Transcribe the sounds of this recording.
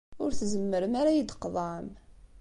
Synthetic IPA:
ʊɾθzəmːəɾəmaɾajid̪qðˤɑʕəm

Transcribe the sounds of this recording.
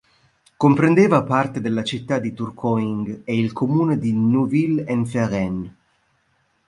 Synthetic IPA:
kompɾend̪eːvapart̪ed̪elːat͡ʃit̪ːad̪ːit̪urkʰɔiŋɡeilkʰomuːned̪inuvilɛnfɛrɛn

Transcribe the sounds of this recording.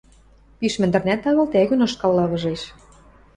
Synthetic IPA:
piʃmɘ̆nd̪ɘ̆rnæt̪ɑɣɤ̆lt̪æɣynɤ̆ʃkɑlːɑβɤ̆ʒeʃ

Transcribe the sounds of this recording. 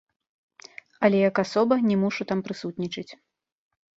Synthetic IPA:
ɐlʲɛjɐkasɔbɐnʲɛmuʂut̪ampɾɨsut̪ʲnʲit͡ʂɨt͡sʲ

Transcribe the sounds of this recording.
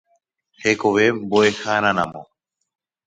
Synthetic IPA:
hekoʋeboexaːnana̰mo

